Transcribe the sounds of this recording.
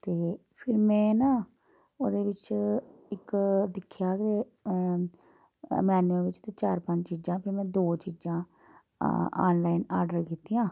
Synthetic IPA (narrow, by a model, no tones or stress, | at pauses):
t̪eː | pʰɪɾmɛ̃ːnaː | oːd̪eːʋɪt͡ʃɪkd̪ɪkʰːjaːkeː | mɛːnuə̃ːʋɪt͡ʃt̪eːt͡ʃaːɾpəɲd͡ʒt͡ʃiːd͡ʒãːpʰɪɾmɛ̃ːd̪oːt͡ʃiːd͡ʒãː | a̰ːnlaːinaːɾɖəɾkiːt̪ːiːãː